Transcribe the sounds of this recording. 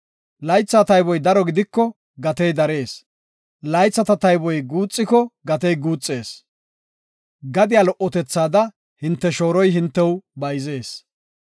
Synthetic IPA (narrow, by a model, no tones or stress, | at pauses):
lɐjt͡sːat̪ɐjbɔjd̪ɐɾɔɡɪd̪ɪkːɔ | ɡɐt̪ɛjd̪ɐɾe̞ːs | lɐjt͡sːɐt̪ɐt̪ɐjbɔjɡuːt͡sʼːɪkɔɡɐt̪ɛjɡuːt͡sʼːe̞ːs | ɡɐd̪ɪjalɔʔːɔt̪ɛt͡sːaːd̪ɐ | hɪnt̪ːɛʃo̞ːɾɔjɦɪnt̪ːɛwbɐjze̞ːs